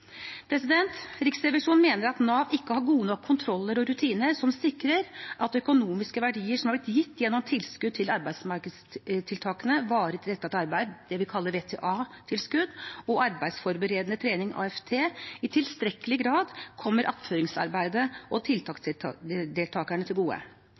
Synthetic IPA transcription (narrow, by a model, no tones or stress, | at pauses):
pʰɾɛsɪd̪ɛnt̪ɾɪksɾɛʋəʂuːnmeːnəɾɑt̪nɑːʋɪkːəhɑɾɡuːnɔkʰːʊnt̪ʰɾɔlːəɾɔɾʉt̪ʰiːnəɾʂɔmsɪkːɾəɾʔɑt̪œkʊnuːmɪskəʋæɖiːəʂɔmhɑɾblɪt̪jɪt̪ːjɛnːɔmt̪ʰɪlskʉd̪̚t̪ʰɪlɑɾbæɪsmɑɾkəst̪ʰɪlt̪ʰɑːkənəʋɑːɾət̪ɾɛt̪ːɑt̪ɑɾbæɪd̪d̪ɛʋɪkʰɑlːəɾʋeːt̪ʰḛːʔɑːt̪ʰɪlskʉd̪ɔʔɑɾbæɪd̪sfɔɾbəɾeːd̪ənət̪ʰɾeːnɪŋʔɑ̰ːɛft̪ʰeːɪt̪ʰɪlst̪ɾɛkːəlɪɡɾɑːd̪kʰɔmːəɾʔɑp̪føːɾɪŋsɑ̰ɾbæɪd̪əɔt̪ʰɪlt̪ʰɑːk | d̪eːlt̪ʰɑːkæɳət̪ʰɪlɡuːə̰